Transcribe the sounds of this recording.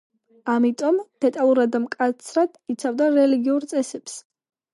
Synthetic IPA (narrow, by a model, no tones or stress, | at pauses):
amit̪ʼɔmd̪̥ɛt̪ʼalˠuɾad̪ːamkʼat̪sʰɾad̪̥it̪sʰavd̪aɾɛliɡiuɾt̪sʼɛsɛps